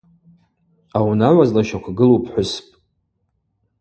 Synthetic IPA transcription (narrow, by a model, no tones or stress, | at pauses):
awnaʕʷazlaʃakʷʰaɡɨlowpʰħʷʊspʼ